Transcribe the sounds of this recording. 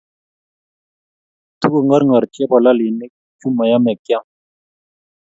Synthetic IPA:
t̪u˦əŋɡəɾŋɡə˨ɾt͡ʃe˦pɐla˦liː˨ne˦k | t͡ʃʰu˦mə˨jame˨kjãː˦

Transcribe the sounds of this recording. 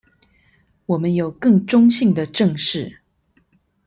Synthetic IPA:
wɔ˨˩mə˦njo˨˩ʊkɤ˥˩ŋʈ͡ʂʊ˥ŋɕi˥˩ŋd̪ə˩ʈ͡ʂɤ˥˧ŋʂɻ̩˥˩

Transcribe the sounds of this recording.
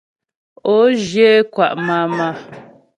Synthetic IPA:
o˦ʒje˦kwa˦˨ʔma˦ma˦

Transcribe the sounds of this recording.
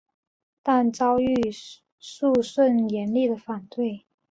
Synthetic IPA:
t̪a˥˩nt͡sɑ˥ʊy˥˧ | ʂu˥˧ʂwə˥˩njɛ˧˥nli˥˩d̪ə˩fa˨˩nt̪we˥˩ɪ

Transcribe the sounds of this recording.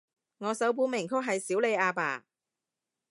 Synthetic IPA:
ŋɔː˨˧sɐ˨˥wp̬uː˨˥nmɪ˨˩ŋkʰʊ˥k̚ɦɐ˨jsiː˨˥wle˨˧jaː˧pa̰ː˨˩

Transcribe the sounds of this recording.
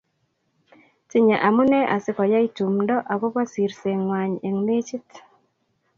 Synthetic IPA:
ti˦ɲa˨ʔa˨mu˦nɛ˦ʔa˨sɪ˦kɔ˨ja˦i˦tu˨mndɔ˦ʔa˨ko˦ba˦si˨ɾse˨ŋːwa˨ɲe˨ŋne˦t͡ʃi˦t

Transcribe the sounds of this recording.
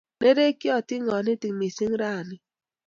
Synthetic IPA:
ne˦ɾe˦ki˦ɔ˦tɪ˦ŋɔ˨ne˦ti˨kmi˨si˦ŋ̩˦ɾa˦˨nɪ˦

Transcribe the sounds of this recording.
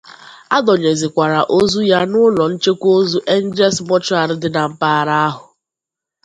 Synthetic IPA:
a˦dɔ˨ɲe˨zɪ˨kʷa˨ɾa˨ʔo˦zu˦ja˦nʊ˦lɔ˨n̩˦t͡ʃe˦kʷo˦zu˦ʔe˦n̩˦d͡ʒɛ˦smɔ˦t͡ʃʊ˦a˨ɾɪ˦dɪ˦na˨m̩˦paː˦˨ɾa˦a˦ɦʊ˨

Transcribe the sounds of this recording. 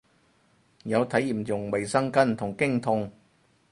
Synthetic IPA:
jɐ˨˧wt̪ʰɐ˨˥jiː˨˩mt͡sʊ˨˩ŋwɐ˨˩jsɐ˥ŋkɐ˥nt̪ʰʊ˨˩ŋkɪ˥ŋt̪ʰʊ˧ŋ

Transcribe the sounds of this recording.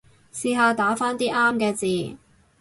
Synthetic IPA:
siː˧ɦaː˨˧t̪aː˨˥faː˥nt̪iː˥ʔaː˥mkɛː˧t͡siː˨

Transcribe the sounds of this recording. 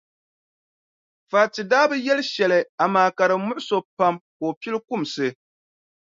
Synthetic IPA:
faː˨tɨ˨daː˦bɨ˦jɛ˦lʃɛ˨lɨ˨a˨maː˨ka˨ɾɨ˨mʊ˦ʔʊ˦so˨pa˦mkoː˨pi˦lɨ˦kʊ˦˨msɨ˨

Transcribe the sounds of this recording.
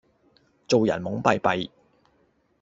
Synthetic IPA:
t͡so˨wjɐ̰˨˩nmʊ˨˥ŋpɐ˨˧jpɐ˨j

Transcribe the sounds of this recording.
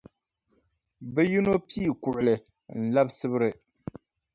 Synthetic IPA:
bɛ˦ju˦no˦pi˦i˨kʊ˨ʔʊ˨lɨ˨ | n̩˨la˦bsɨ˦bɨ˦ɾɨ˨

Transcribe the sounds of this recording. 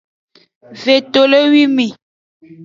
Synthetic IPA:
ve˨to˨le˦wi˦mi˨

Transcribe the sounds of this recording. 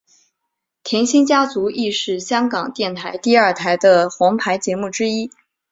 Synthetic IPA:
t̪ʰjɛ˧˥nɕi˥ŋt͡ɕja˥t͡su˧˥i˥˧ʂɻ̩˥˩ɕjɑ˥ŋkɑ˨˩ŋt̪jɛ˥˩nt̪ʰa˧˥ɪt̪i˥˧ɐ˞˥˩t̪ʰa˧˥ɪd̪ə˧xwɑ˧˥ŋpʰa˧˥ɪt͡ɕjɛ˧˥mu˥˩ʈ͡ʂɻ̩˥i˥

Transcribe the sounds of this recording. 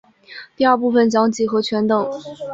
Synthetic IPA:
t̪i˥˧ɐ˞˥˧pu˥˩fə˨˩nt͡ɕjɑ˧˥ŋt͡ɕi˧˥xɤ˧˥t͡ɕʰɥɛ˧˥nt̪ɤ˨˩˦ŋ

